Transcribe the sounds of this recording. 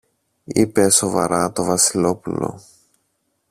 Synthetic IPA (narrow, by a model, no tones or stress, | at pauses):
ipe̞so̞vɐ̰ɾɐt̪o̞vɐsilo̞pulo̰